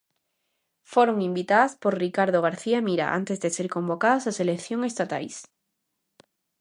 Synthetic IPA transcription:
foɾoŋimbit̪aðaspoɾrikaɾð̞oɣ̞aɾθiamiɾa̰ʔa̰nt̪ezðeseɾkõ̞mbokaðasaselekθjoŋest̪at̪a̰js

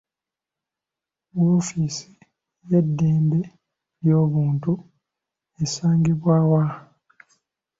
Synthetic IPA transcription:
woːfiːsi̥ | jedːeːmbe̞ | ɾjo̞ːβuːntu | esaːŋɡiβwaːwa

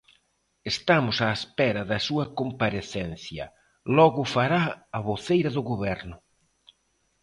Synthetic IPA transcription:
est̪amʊsaespɛɾɐðɐsuɐkompaɾeθɛn̟θjɐ̰ | lɔɣʊfaɾaːβoθejɾɐðʊɣoβɛɾnʊ

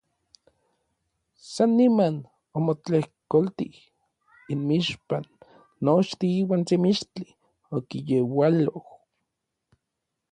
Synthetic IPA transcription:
sanːiman | omot͡ɬehkolt̪ḭh | inmiʃpanː | ot͡ʃt̪iiːwaːnt͡semiʃt͡ɬi | okijewaloh

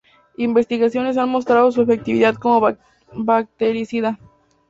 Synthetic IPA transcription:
imbe̞st̪iɣasjo̞ne̞s̬anmo̞st̪ɾaðo̞s̬ue̞fe̞k̚t̪iβiðaðko̞mo | bak̚t̪eɾisiðað

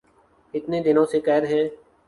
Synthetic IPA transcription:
ɪt̪neːd̪ɪnõːseːkɛːɾɦɛ̃ː

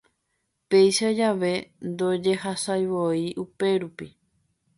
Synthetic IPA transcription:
pe̞jʃad͡ʒaʋe̞nd̪o̞d͡ʒe̞ɦasajʋoiʔupe̞ɾupi

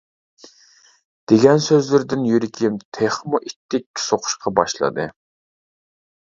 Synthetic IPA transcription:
d̪̥eɡʲɛnsøzlɪɾd̪ɪnjyɾɪkʲʰimt̪ʰeχmuʔit̪ʰːɪkʲːɪ̥soqʰʊ̥ʃqʰɑbɑ̰ʃlˠɨ̰d̪ɨ

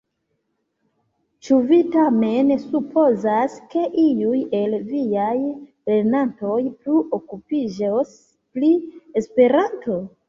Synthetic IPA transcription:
t͡ʃuvitame̞nsupo̞zaske̞ʔijuje̞lvijaj | le̞ɾnanto̞jpluʔokupid͡ʒos | plie̞spe̞ɾanto̞

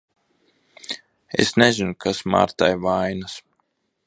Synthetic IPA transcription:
ḛsnɛzinukʰasma̰ːɾt̪ajvajnas

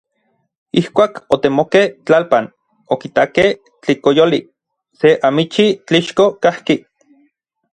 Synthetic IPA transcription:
ihkʷaːkot̪emokeht͡ɬalpan | okit̪akeh | t͡ɬikojoli | seʔamit͡ʃit͡ɬiʃkokahki

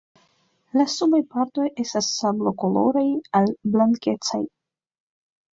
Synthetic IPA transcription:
lasumajpaɾt̪o̞je̞stasːablo̞ko̞lo̞̰ɾajalblaŋke̞t͡sa̰j

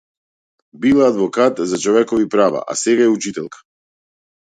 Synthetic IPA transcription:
bilˠaaːd̪vɔkat̪zat͡ʃɔvɛkɔvipɾava̰ʔa̰sɛɡaɛut͡ʃit̪ɛlˠkḁ

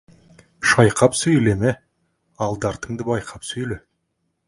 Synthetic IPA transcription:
ʃɑjqɑpsɵjleme | ɑlˠd̪ɑɾt̪əŋd̪əbɑjqʰɑpsɵjle

